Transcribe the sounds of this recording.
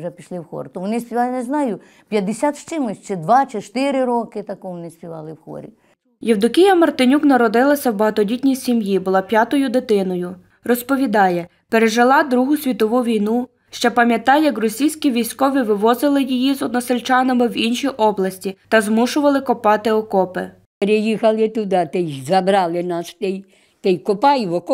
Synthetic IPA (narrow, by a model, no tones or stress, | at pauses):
ʒɛpʲiʃlˠɪwxɔ̰ɾt̪ɔmʊnɪsʲpʲiʋɑlˠɪnɛznɑjʊ | pʲjɐd̪ːɪsʲat̪ʃt͡ʃɪmʊsʲt͡ʃɪd̪ʋɑt͡ʃɪt͡ʃt̪ɪɾɪɾɔkɪt̪ɐkɔmnɪspʲiʋɑ̰lˠɪwxɔ̰ɾʲḭ | jɛwd̪ʊkʲijɐmɐrt̪ɪnʲuknɐɾɔd̪ɪlˠɐsʲɐwbɐɦɐt̪ɔdʲitʲnʲijsʲimjibʊlˠɑpʲjat̪ɔjʊd̪ɪt̪ɪnɔjʊ | rɔspɔʋʲid̪ɑjɛ | peɾeʒɪlˠɑd̪ɾuɦʊsʲʋʲit̪ɔʋuʋʲijnu | ʃt͡ʃɛpɐmʲjɐt̪ɑjjɐkrɔsʲijsʲkʲiʋʲijsʲkɔʋʲiʋɪʋɔzɪlˠɪjijizɔd̪nɔselʲt͡ʃɑnɐmɪwinʃijʔɔblˠɐsʲtʲit̪ɐzmuʃʊʋɐlˠɪkɔpɑt̪ɪɔkɔpɪ | peɾejixɐlˠɪt̪ʊd̪ɑt̪ɛjzɐbɾɑlˠɪnɑst̪ɛj | t̪ɛjkɔpɑjʋɔk